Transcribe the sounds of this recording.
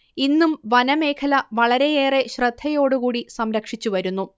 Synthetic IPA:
inːumʋɐnɐme̞ːkʰɐlɐʋɐɭɐɾe̞jeːre̞ɕrɨd̪ʱːɐjo̞ːɽukuːɽisɐmɾɐkʂit͡ɕːuʋɐɾunːu

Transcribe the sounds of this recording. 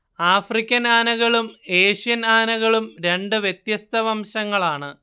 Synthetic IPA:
aːfrikʲːɐnaːnɐɣɐɭume̞ːɕijɐnaːnɐɣɐɭumɾe̞ɳɖɨʋjet̪jɐst̪ʰɐʋɐmɕɐŋːɐɭaːɳɨ

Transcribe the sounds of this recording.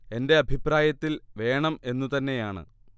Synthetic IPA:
e̞nde̞ɐbʱipɾaːjɐt̪ːilʋe̞ːɳɐme̞nːut̪ɐnːe̞jaːɳɨ̰

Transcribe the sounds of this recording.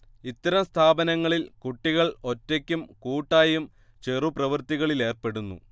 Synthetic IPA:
it̪ːɐɾɐmst̪ʰaːbɐnɐŋːɐɭilkuʈːiɣɐɭo̞tːekʲːumkuːʈːaːjum | t͡ɕeruprɐʋɐrt̪iɣɐɭile̞ːrpe̞ɽunːṵ

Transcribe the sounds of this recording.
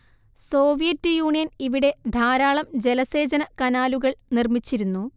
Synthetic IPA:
so̞ːʋijɐtːjuːɳijɐniʋiɽe̞d̪ʱaːɾaːɭɐmd͡ʑe̞lɐse̞ːd͡ʑɐnɐkɐnaːluɣɐɭnirmit͡ɕːiɾunːu

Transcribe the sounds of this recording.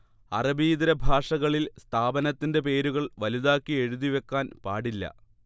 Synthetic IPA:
ɐ̰rɐbiːðiɾɐbʱaːʂɐɣɐɭilst̪ʰaːbɐnɐt̪ːinde̞pe̞ːɾuɣɐɭʋɐliðaːkːie̞ɻuðiʋe̞kːaːnpaːɽilːɐ̰

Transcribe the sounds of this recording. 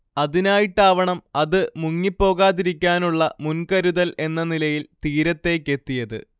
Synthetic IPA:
ɐðinaːjiʈːaːʋɐɳɐmɐðɨmuŋːipːo̞ːɣaːðiɾikʲːaːnuɭːɐmunkɐɾuðɐle̞nːɐnilɐjilt̪iːɾɐt̪ːe̞ːkːe̞t̪ːijɐðɨ̰

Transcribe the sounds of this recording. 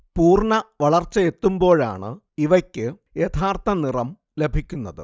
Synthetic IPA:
puːrɳɐʋɐɭɐrt͡ɕːɐe̞t̪ːumbo̞ːɻa̰ːɳɨ̰ | iʋɐkʲːɨ | jet̪ʰaːrt̪ɐnirɐm | le̞bʱikʲːunːɐðɨ̰

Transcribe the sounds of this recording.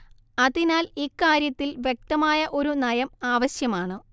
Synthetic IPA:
ɐðinaːlikːaːɾjɐt̪ːilʋje̞k̚t̪ɐmaːjɐʔo̞ɾunɐjɐmaːʋɐɕjɐmaːɳɨ

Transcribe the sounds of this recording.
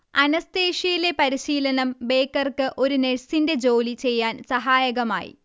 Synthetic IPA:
ɐnɐst̪e̞ːʂijile̞pɐɾiɕiːlɐnɐmbe̞ːkːɐrkɨʔo̞ɾuneɻsinde̞d͡ʑo̞ːlit͡ɕe̞jːaːnsɐɦaːjɐɣɐma̰ːjḭ

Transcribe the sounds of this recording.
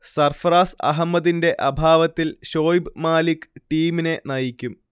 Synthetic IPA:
sɐrfraːsɐ̰ɦɐmːɐðinde̞ʔɐbʱaːʋɐt̪ːilɕo̞ːjbɨmaːlikːɨ̥ʈiːmine̞nɐjikʲːum

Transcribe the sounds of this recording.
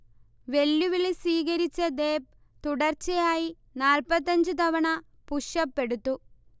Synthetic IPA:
ʋe̞lːuʋilsiːɣɐɾit͡ɕːɐd̪eːp̚ | t̪uɽɐrt͡ɕːɐjaːji | naːlpɐt̪ːɐɲd͡ʑɨt̪ɐʋɐɳɐ | puʂɐpːe̞ɽut̪ːu

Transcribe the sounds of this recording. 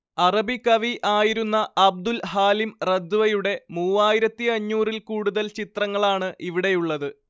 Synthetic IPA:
ɐrɐbikɐʋiʔaːjiɾunːɐɐb̚d̪ulɦaːlimrɐd̪ːuʋɐjuɽe̞muːaːjiɾɐt̪ːiɐɲːuːrilkuːɽuðɐlt͡ɕit̪rɐŋːɐɭaːɳɨʔiʋiɽe̞juɭːɐðɨ

